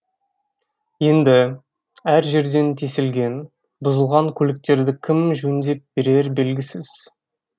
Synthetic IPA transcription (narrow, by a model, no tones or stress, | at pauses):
je̞nd̪ɪ | æɾʒe̞ɾd̪e̞nt̪ʰesɪlɡʲe̞n | bʊzəlˠʁɑŋkʲʰɵlɪk̚t̪e̞ɾd̪ɪkʲʰɪmʒyɪnd̪e̞p̚be̞ɾe̞ɾbe̞lɡʲɪsɪz̥